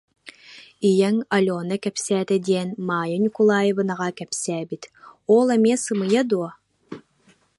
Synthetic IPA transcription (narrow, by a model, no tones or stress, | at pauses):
ijɛŋɐlʲoːnɐkɛpsæːt̪ɛd̪iɛnmaːjɯnʲikulˠaːjɯbɯnaʁakɛpsɛːbit̪oːlˠɛmʲiɛsɯmɯjad̪uɔ